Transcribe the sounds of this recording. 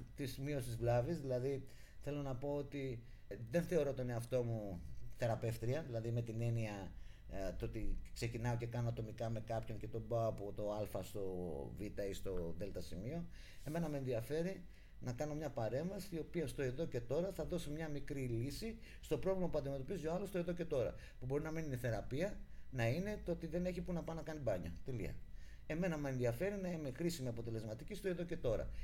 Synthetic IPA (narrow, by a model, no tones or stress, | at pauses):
t̪izmio̞sizvlɐvizðilɐði | θe̞lo̞nɐpo̞ot̪i | ðe̞nθe̞o̞ɾo̞t̪oneɐft̪o̞muθe̞ɾɐpe̞ft̪ɾiɐðilɐðime̞t̪ine̞niɐ | t̪oot̪ikse̞cinɐo̞ce̞kɐnoɐt̪o̞mikɐme̞kɐpço̞ɲce̞t̪o̞bɐoːpot̪o̞ɐlfɐst̪o̞vit̪ɐist̪o̞ðe̞lt̪ɐsimio̞ | e̞me̞nɐme̞ːnðiɐfe̞ɾi | nɐkɐno̞mɲɐpɐɾe̞ɱvɐsio̞piɐst̪o̞e̞ðo̞ce̞t̪o̞ɾɐθɐðo̞simɲɐmikɾilisist̪o̞pɾovlimɐpuɐnd̪ime̞t̪o̞pizioɐlo̞st̪oeðo̞ce̞t̪o̞ɾɐ̰pubo̞ɾinɐmininiθe̞ɾɐpiɐnɐine̞t̪oot̪iðe̞ne̞çipunɐpɐnɐkɐnibɐɲɐ̰t̪elḭɐ̰ | e̞me̞nɐmɐe̞nðiɐfe̞ɾinɐime̞xɾisimiɐpo̞t̪e̞le̞zmɐt̪icist̪o̞e̞ðo̞ce̞t̪o̞ɾɐ̰